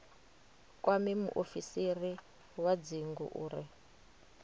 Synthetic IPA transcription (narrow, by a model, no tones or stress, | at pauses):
kʼwamimṵʔofisiri | wad͡ziŋɡṵʔuːɾi